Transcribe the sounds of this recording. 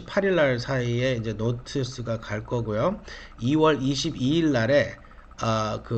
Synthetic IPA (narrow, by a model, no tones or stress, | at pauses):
i̥pʰaɾiɭːaɭsʰaie̞ind͡ʑe̞notʰɯs͈ɯɡakaɭk͈ʌɡojo | iwʌɾiɕʰibiːɭːaɾe̞ | ʌkɯ